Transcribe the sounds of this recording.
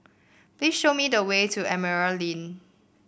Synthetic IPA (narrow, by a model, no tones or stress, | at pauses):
plisʃomidəwetuʔɛməɹalĩn